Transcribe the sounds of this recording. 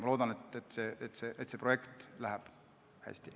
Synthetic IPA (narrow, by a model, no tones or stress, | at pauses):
mɑlo̞ːd̪ɑnet̪et̪ːˑse̞ʔet̪ːˑseːʔet̪sepro̞je̞kt̪læɦæb̥ | hæ̰sʲt̪i